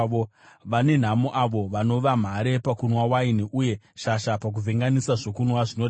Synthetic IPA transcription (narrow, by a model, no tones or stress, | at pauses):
o | ʋane̞n̤amuʔaʋo̞ʋano̞ʋam̤aɾe̞pakunwawainiʔuje̞ʃaʃapak̬uvʱeŋɡanisaʐokunwaʐino